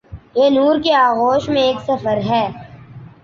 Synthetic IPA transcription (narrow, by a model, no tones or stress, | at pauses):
jeːnuːɾkeaːɣoːʃmẽeːksɐfəɾɦɛː